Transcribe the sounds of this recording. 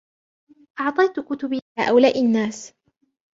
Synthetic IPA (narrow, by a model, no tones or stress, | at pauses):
ʔɑʕt̪ˤɑjt̪ʊkʊt̪ʊbiaːʔawlaːʔɪnːaːs